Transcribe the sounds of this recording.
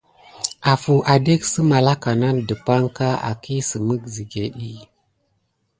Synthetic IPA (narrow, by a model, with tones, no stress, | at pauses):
a˨fu˨ʔa˨de˦ksə˦ma˨la˦ka˨na˦ndə˨pa˦ŋka˦a̰˨ki˦sə˨mə˦kzi˨ɡe˨ɗi˦